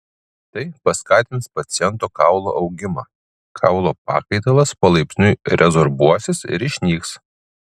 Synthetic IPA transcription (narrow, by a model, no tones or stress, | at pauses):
t̪ɐɪpɐskɑːt̪ʲɪnt̪spɐt̪sʲɪjɛnt̪oːkɑˑʊlˠo̰ːʔʊɡʲɪmɑː | kʰɑˑʊlˠoːpɑ̰ːkɐɪt̪ɐlˠɐspɐlˠɐɪpʲsʲnʲʊɪɾʲʔɛzɔɾʋuɔsʲɪsɪ̰ɾɪʃʲnʲiːks